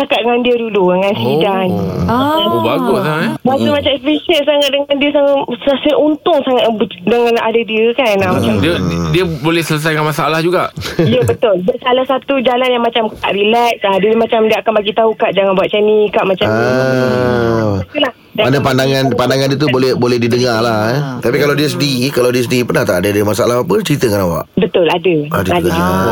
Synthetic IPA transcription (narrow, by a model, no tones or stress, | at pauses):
t͡ʃakat̪̚dəŋandiəduludəŋansidan | ubaɡʊsabasəmat͡ʃamfiʃəssaŋat̪̚dəŋandiəsaŋassəaʔunt̪ʊŋsaŋat̪bdəŋãna̰dadiəkanamat͡ʃamdədiəbolɛhsələs̬ajkanmasaalahd͡ʒuɡaʔiəbət̪ʊldəsalahsat̪ud͡ʒalanjaŋmat͡ʃamka̰ʔɾilɛk̚sadimat͡ʃamdiəakanbaɡit̪aukaʔd͡ʒaŋanbuat̪̚t͡ʃɛnikaʔmat͡ʃam | ula | anapandaŋanpandaŋandiət̪ubolɛhbolɛhdidəŋalaht̪apikalawdiəs̬ədikalawdiəs̬dipərnaht̪aʔadadimasaalahapət͡ʃəɾit̪əkanawa̰ʔbət̪ʊladəadadad͡ʒuɡa